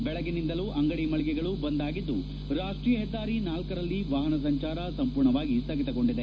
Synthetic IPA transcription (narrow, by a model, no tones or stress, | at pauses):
bɛɭɐɡenind̪ɐluʔɐŋɡɐɽimɐɭiɡɛɡɐɭubɐnd̪aːɡid̪ːu | ɾaːʂʈɾiːjɐɦɛd̪ːaːɾinaːlkɐɾɐlːiʋaːɦɐnɐs̬ɐɲt͡ʃaːɾɐsɐmpuːɾɳɐʋaːɡisɐɡit̪ɐɡo̞ɳɖid̪e